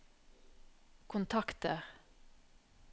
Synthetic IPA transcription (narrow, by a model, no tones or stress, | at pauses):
kʰʊnt̪ʰɑkt̪əʁ